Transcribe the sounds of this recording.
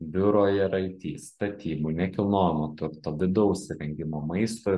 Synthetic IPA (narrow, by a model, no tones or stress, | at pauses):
bʲʊɾoːjɛɾɐɪt̪ʲiːst̪ɐt̪ʲiːmuːnʲɛkʲɪlˠnoːjɪmot̪ʊɾt̪ɐd̪ʲɪd̪ɐʊʃʲsʲɪɾʲɛŋʲɡʲɪmoːmɐɪst̪oː